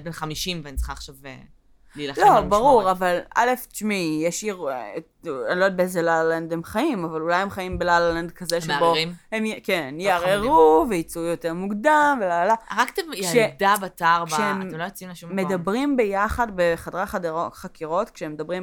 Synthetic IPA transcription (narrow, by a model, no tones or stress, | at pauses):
benχamiʃimvanit͡sχaχʃave | lilalobaʁuʁavala̰left͡ʃmijeʃiʁ | anlod̪bezelalend̪hemχaimavalulajhemχaimbelalland̪kazeʃeboimhemkenjaʁeʁuveit͡sujote̞ʁmuɡd̪amvelalaʁakt̪emjaʃed̪abat̪aʁbʃeememlojot͡simlaʃumːe̞dabʁimbe̞jaχadbeχadʁaχadoχakiʁo̞tkʃeemed̪abʁim